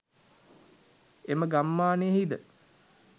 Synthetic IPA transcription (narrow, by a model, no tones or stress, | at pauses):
eməɡamːaːneɦid̪ə